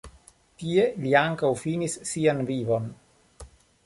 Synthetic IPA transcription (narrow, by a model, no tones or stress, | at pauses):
tie̞liaŋkawfinisːianvivo̞n